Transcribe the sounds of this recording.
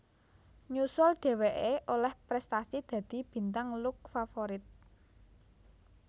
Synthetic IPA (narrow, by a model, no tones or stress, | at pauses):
ɲusʊlɖ̪̥e̤weʔeʔolɛhpɾɛst̪asid̪̥ä̤d̪̥i̤b̥i̤nt̪aŋlʊk̚fafoɾɪt̪̚